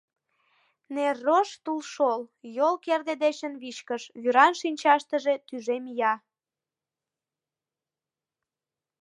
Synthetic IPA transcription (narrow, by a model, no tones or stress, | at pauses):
nerːoʃt̪ulʃoljolkerd̪ed̪eɕənβiʃkəʃβyɾɑnʃinʲt͡ɕɑʃt̪əʒe̽t̪yʒemijɑ